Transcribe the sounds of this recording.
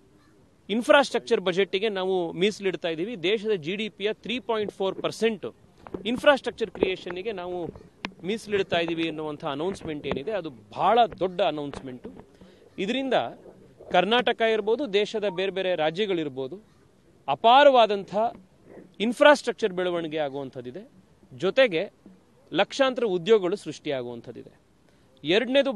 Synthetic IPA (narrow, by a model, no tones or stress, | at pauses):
inpʰɾaːsʈɾɐk̚t͡ʃɐɾbɐd͡ʒe̞ʈːiɡe̞naːʋumisliɽt̪aːjd̪iːʋid̪ɛːʃɐd̪ɐd͡ʒiɖiːpijɐt̪ʰɾiːpoːjɳʈpʰoːɾpɐɾse̞ɳʈu | inpʰɾaːsʈɾɐk̚t͡ʃɐɾkɾijeːʃɐniɡe̞naːʋumisliɽt̪aːjd̪iːʋiɐnːuʋɐnt̪ʰɐːnɐwnsme̞ɳʈe̞ːnid̪e̞ɐd̪ubʱaːɭɐd̪ɔɖːɐːnɐwnsme̞ɳʈu | id̪ɐɾind̪ɐ | kɐɾnaːʈɐkɐiɾboːd̪ud̪ɛːʃɐd̪ɐbeːɾebe̞ːɾeɾaːd͡ʒjɐɡɐɭiɾbo̞ːd̪u | ɐpaːɾɐʋaːd̪ɐnt̪ʰɐ | inpʰɾaːsʈɾɐk̚t͡ʃɐɾbɛɭuʋɐɳiɡe̞aːɡuːʋɐnt̪ʰɐd̪ːid̪e̞ | d͡ʒɔt̪e̞ɡe̞ | lɐkʂaːnt̪ɾɐud̪joːɡɐɡɐɭusɾuʂʈiaːɡuʋɐnt̪ʰɐd̪ḭd̪e | ɛɾɐɽned̪u